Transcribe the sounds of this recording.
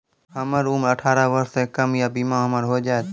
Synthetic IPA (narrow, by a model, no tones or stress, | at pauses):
ɦəməɾuːməʈʰaːɾaʋəɾsekəmjabiːmãɦəməɾɦod͡ʒaːet̪